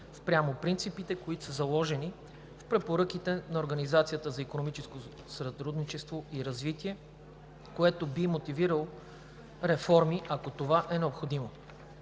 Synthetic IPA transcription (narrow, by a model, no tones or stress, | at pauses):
spɾʲjamopɾint̪sipit̪ɛkoit̪o̥səzɐlˠɔʒɛni | fpɾɛpoɾɤk̟it̪ɛnɐoɾɡɐnizat̪sijət̪əzɐikonomit͡ʃɛsko | sɐt̪ɾud̪nit͡ʃɛst̪voiɾɐzvit̪iɛ | koɛt̪obimot̪iviɾəlˠ | ɾɛfɔɾmiʔɐkot̪ovaʔɛnɛopxod̪imo